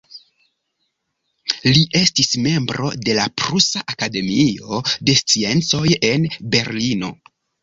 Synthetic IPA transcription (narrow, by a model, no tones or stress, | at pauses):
liʔe̞stisme̞mbɾo̞̰de̞lapɾusaʔakade̞mio̞de̞st͡sie̞nt͡so̞je̞nbe̞ɾlino̞̰